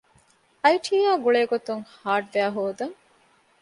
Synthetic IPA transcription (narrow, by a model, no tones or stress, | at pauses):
ɐjʈʰiːaːɡuɭeːɡot̪uŋhaːʈʋæːɦoːd̪ɐŋ